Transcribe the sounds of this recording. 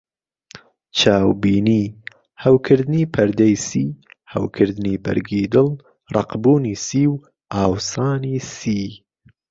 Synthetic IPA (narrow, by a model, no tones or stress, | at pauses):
t͡ʃʰaːwbiːniː | hɐwkʰɨɾd̪ɪniːpʰɐɾd̪ɐjsiːhɐ̰wkʰɨɾd̪niːbɐ̰ɾɡiːd̪ɨlˠ | rˤɑqbuːniːsiːw | aːwsaːniːsiː